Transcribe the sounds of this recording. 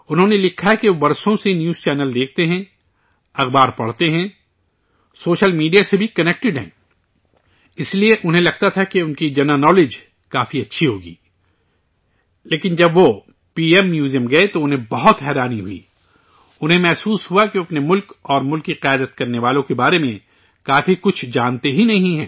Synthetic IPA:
ʊnɦõnelɪkʰːaɦɛkeobɐɾsõsenjuːz̥t͡ʃɛːnəld̪eːkʰt̪eɦɛ̃ | ɐxbaːɾpɐɽ̤t̪eɦɛ̃ | soːʃəlmiːɖijasebʱikɐnɛk̚ʈɪɖɦɛ̰̃ | ɪslieʔʊnɦẽlɐɡ̚t̪at̪ʰakeʊnkid͡ʒɐnanɔːled͡ʒ | kaːfiɐtːʃʰiɦoːɡḭː | leːkɪnd͡ʒɐbʋo | piːɛmːjuːzijəmɡɐet̪oʊnɦẽbɐɦʊt̪ɦɛːɾaːniɦʊḭː | ʊnɦẽmɛɦsuːsɦuakieɐpnemʊlkɔːɾmʊlkːiqjaːd̪ət̪kɐɾneʋaːlõkebaːɾemẽ | kaːfikʊt͡ʃʰd͡ʒaːnt̪eɦinɐɦĩɦɛ̰̃ː

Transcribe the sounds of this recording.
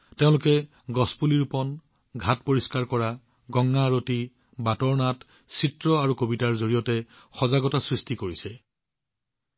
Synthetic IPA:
teʊ̃lʊkɛ | ɡɔspuliɹupɔn | ɡʱatpoɹiskaɹkɔɹa | ɡɔŋːaɹoti | batɔɹnat | sitɹɔaɹukobitaɹzoɹijɔtɛ | xɔzaɡɔtasɹistikoɹisɛ

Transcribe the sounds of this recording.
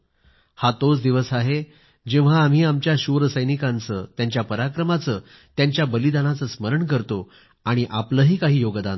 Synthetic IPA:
hat̪ot͡sd̪iʋəsaɦe | d͡ʑeʋ̃ʋ̤aːm̤iːamt͡ɕjaɕuʋɾəsəjnikant͡sə̰t̪jaɲt͡ɕjapəɾakɾəmat͡səː | t̪jaɲt͡ɕjabəlid̪anat͡səsməɾəɳkəɾt̪o | aɽ̃iʔapləːɦiːkaɦiːjoɡd̪ãn

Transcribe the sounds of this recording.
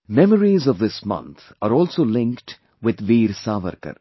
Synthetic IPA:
mɛməɾizɔʋd̪ɪsmʌ̰̃nt̪ʰ | aːɾɔːlsoːlɪ̃ŋkʈ | ʋɪd̪ʋiːɾsaːʋə̰ɾkə̰ɾ

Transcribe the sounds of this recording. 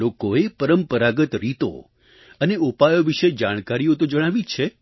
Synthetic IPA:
okoepəɾəmpəɾaɡət̪ɾit̪o̰ | əneupajoʋiʃed͡ʒaɽ̃kaɾijõt̪od͡ʒəɽ̃aʋit͡ʃʰe

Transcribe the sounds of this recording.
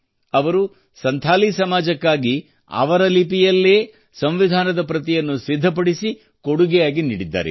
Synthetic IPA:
ɐʋɐɾu | sɐnt̪ʰaːlisɐmaːd͡ʒɐkːaːɡi | ɐ̰ʋɐɾɐlipijɐlːeː | sɐmʋid̪ʱaːnɐd̪ɐpɾɐt̪ijɐnːusid̪ʱːɐp̬ɐɽisi | koɽuɡɛjaːɡiniːɽid̪ːa̰ːɾḛ

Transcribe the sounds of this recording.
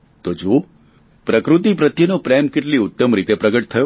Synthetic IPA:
t̪od͡ʒo | pɾəkɾut̪ip̬ɾət̪jənopɾɛmkeʈliʊt̪ːəmɾit̪epɾəɡəʈ̚t̪ʰəjo

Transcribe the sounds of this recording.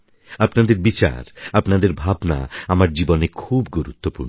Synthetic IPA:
apnad̪eɾbit͡ɕa̰ɾapnad̪eɾbʱabna̰amaɾd͡ʑibonekʰubɡuɾut̪ːopuɾno

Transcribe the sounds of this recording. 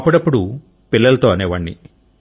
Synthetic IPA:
pːuɽɐpːuɽu | pilːɐlɐt̪o̞ːɐneːʋɐɳːḭ

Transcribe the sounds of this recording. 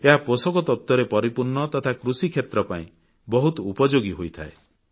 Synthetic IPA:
eɦaposɔkɔt̪ɔt̪ːwɔɾepɔɾipuɾɳɔt̪ɔt̪ʰakɾusikʰjet̪ɾɔpaĩ | bɔɦut̪ɔupɔd͡ʒoɡiɦojt̪ʰae

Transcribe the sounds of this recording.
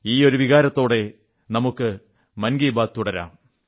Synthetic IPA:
iːo̞ɾuʋiɣaːɾɐt̪ːo̞ːɽe̞ | nɐmukːɨ | mɐnɡiːbaːt̪ːuɽɐɾa̰ːm

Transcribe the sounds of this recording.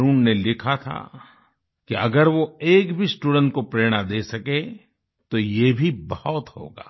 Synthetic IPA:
ɾuːnnelɪkʰat̪ʰa̰ | kiɐɡəɾʋoeːkbʱisʈuːɖə̃ɳʈ̚kopɾeːɽ̃ad̪eːsɐke | t̪ojebʱibɐɔt̪ɦo̰ːɡa̰ː

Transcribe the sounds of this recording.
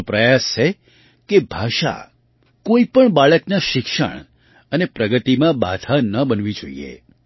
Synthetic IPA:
pɾəjast͡ʃʰe | kebʱaʃa̰ | koipəɳbaɭəknaʃɪkʃə̰ɳ̃ | ənepɾəɡət̪imãba̰d̪ʰʱanəbənʋid͡ʒo̰ḭḛ

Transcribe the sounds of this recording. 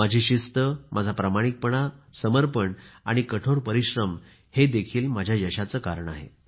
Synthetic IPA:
mad͡ʑʱiɕist̪əmʔad͡zʱapɾamaɽ̃ik̚pəɳ̃asəməɾpəɳa̰ɽ̃ikəʈʰoɾpəɾiɕɾəm | hed̪ekʰiːlmad͡ʑʱjajəɕat͡səkaɾəɳa̰ɦḛ

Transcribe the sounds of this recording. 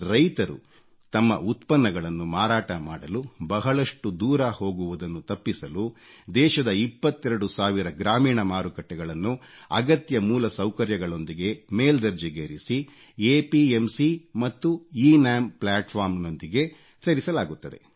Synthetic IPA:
ɾɐjt̪ɐɾṵ | t̪ɐmːɐ̰ʔut̪pɐnːɐɡɐɭɐnːumaːɾaːʈɐmaːɽɐlubɐɦɐɭɐʂʈud̪uːɾɐho̞ːɡuʋud̪ɐnːut̪ɐpːisɐlud̪ɛːʃɐd̪ɐipːɐt̪ːɛɾɐɽusaːʋiɾɐɡɾaːmiːɳɐmaːɾukɐʈːɛɡɐɭɐnːu | ɐɡɐt̪jɐmuːlɐsɐwkɐɾjɐɡɐɭo̞nd̪iɡe̞meːld̪ɐɾd͡ʒiɡeːɾisi | eːpiemsimɐt̪ːuiːnaːmplaːʈpʰaːɾmno̞nd̪iɡe̞ | seːɾisɐlaːɡut̪ːɐd̪e̞̰

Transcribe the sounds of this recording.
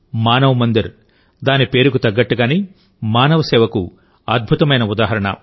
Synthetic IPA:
maːnɐʋɐmɐnd̪iɾ | d̪aːnipe̞ːɾuk̬ut̪ɐɡːɐʈːuɡaːniː | maːnɐʋɐsɛːʋɐku | ɐd̪̚bʱut̪ɐmɐjnɐud̪aːɦɐɾɐɳɐ̰

